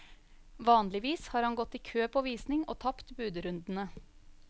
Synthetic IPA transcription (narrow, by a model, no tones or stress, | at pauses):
ʋɑːnlɪʋiːshɑːɾhɑnɡɔt̪ːiːkʰøːpʰoːʋiːsnɪŋʔo̰ːt̪ʰɑpt̪bʉːd̪əɾʉnd̪n̩ə